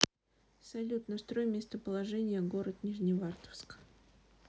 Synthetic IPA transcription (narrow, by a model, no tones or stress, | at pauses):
sɐlʲut̪nəst̪ɾo̞jmʲest̪əpəlˠɐʐɛnʲɪjəɡo̞ɾət̪nʲɪʐnʲɪvart̪ə̥fsk